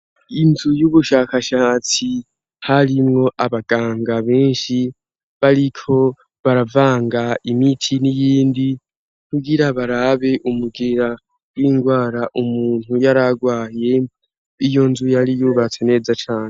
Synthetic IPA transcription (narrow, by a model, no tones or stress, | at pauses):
inzujuβuʃakaʃaːt͡si | haɾimŋo̞ʔaβaɡ̥aːŋɡaβeːnʃi | βaɾikʰo̞ | βaɾavaːŋɡaimitʰinijiːndi | kuɡiɾaβaɾaβe̞ʔumuɡeɾa | wiːŋɡwaːɾaʔumuuːn̥hujaɾaɡwaːje̞ | ijo̞nzujaɾijuβat͡sene̞ːzat͡ʃaːne